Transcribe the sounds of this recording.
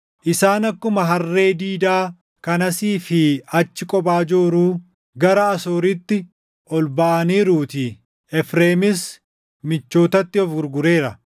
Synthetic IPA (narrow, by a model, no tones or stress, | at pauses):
ʔɪsaːnɐkːʊmɐɦɐrːe̞ːd̪iːd̪aː | kɐnɐsiːfɪɐt͡ʃːɪkʼɔbaːd͡ʒoːɾuː | ɡɐɾɐːsoːɾɪt̪ːɪ | ʔɔlbɐʔɐniːɾuːt̪i | ɛfɾeːmɪs | mɪt͡ʃːo̞ːt̪ɐt̪ːɪɔfɡʊɾɡʊɾe̞ːɾɐ